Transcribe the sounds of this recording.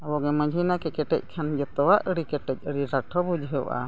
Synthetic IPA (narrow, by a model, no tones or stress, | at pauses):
abɔɡɛmə̃d͡ʒʱinakɛkɛʈɛ̰c̚ˀkʰand͡ʒɛt̪ɔwaʔəɽikɛʈɛc̚ˀəɽiɾaʈʰɔbud͡ʒɦəwʔa̰